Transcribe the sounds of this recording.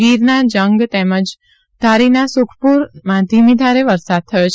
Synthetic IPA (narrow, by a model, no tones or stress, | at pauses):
ɡiɾnad͡ʒəŋɡt̪eməd͡ʒ | d̪ʱaɾinasukʰpuɾmãt̪imid̪ʱaɾeʋəɾsad̪̚t̪ʰəjot͡ʃʰ